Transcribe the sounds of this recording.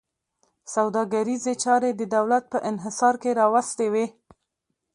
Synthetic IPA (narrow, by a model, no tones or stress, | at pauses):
sawd̪ɑɡaɾizet͡ʃɑɾed̪əd̪awlat̪̚pəʔɪnɦɪsɑɾkeɾɑwast̪ewe